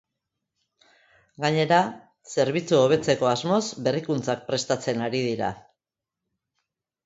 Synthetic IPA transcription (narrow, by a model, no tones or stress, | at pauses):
ɡaɲe̞ɾa | se̞ɾβ̞it͡suo̞β̞e̞t͡se̞ko̞azmo̞zbe̞rikunt͡sak̚pɾe̞st̪at͡se̞naɾiðiɾa̰